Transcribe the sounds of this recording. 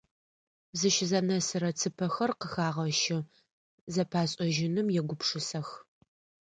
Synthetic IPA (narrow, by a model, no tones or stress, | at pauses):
zɨʃzɐnɐsɨɾɐt͡sʰɨpʰɐxɐrqəxaːʁɐʃɪ | zɐpʰaːɕʼɐʒɪnɨmjɛɡʷʊpʰʂɨsɐx